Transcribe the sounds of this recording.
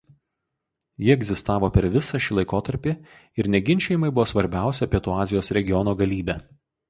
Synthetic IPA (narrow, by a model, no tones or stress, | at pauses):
jɪɛɡʲzʲɪst̪ɑːʋoːpʲɛɾʋʲɪsɑʃʲiːlˠɐɪkoːt̪ɐɾʲpʲi | ɪɾnʲɛɡʲɪnʲt͡ʃʲɛjɪmɐɪbʊʋoːsʋɐɾʲbʲæˑʊsʲɛɐpʲiɛt̪uːɑːzʲɪjoːsɾʲɛɡʲɪjɔnuːɡɐlʲiːbʲæː